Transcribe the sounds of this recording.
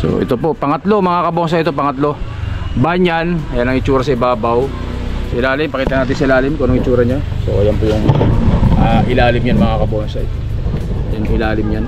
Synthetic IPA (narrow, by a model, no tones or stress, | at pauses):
so̰ʔɛ̰t̪o̞po̞ʔpɐŋɐt̪lo̞mɐŋakɐbonsɐɪt̪o̞pɐŋɐt̪lo̞baːɲanɐjanːɐŋɪt͡ʃuːɾɐsɐɪbaːbaw | sʔɪlaːlɪmpɐkiːt̪ɐnaːt̪ɪnsɐlaːlɪmkonoŋɪt͡ʃuːɾɐɲasojampʊŋʔaʔɪlaːlɪmjɐnmɐŋakɐbonsɐʔɪt̪o | jɐnʊŋɪlaːlɪmjan